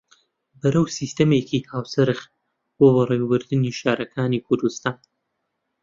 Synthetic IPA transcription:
bɨɾɐwsiːst̪ɐmeːkiːkʰaːwsɨɾɨx | b̥oːbɐrewbɨɾd̪ɨniːʃaːɾʔɐkʰaːnikʰʊɾd̪ust̪aːn

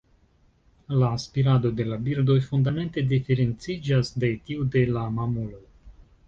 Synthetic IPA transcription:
laːspiɾad̪o̞d̪e̞labiɾd̪o̞jfund̪ame̞nt̪e̞d̪ifeɾe̞nt͡sid͡ʒasde̞t̪iud̪e̞lamamulo̞j

